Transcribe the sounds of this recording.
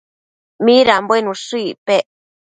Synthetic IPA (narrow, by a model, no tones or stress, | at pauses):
mĩɾambwenũsuipeʔ